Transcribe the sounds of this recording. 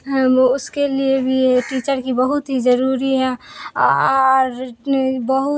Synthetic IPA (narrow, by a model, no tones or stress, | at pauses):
ɦʊskeliebʱiʈiːt͡ʃəɾkibəɦʊt̪ɦid͡ʒəɾuːɾiɦɛ̃ | ɾbəɦʊ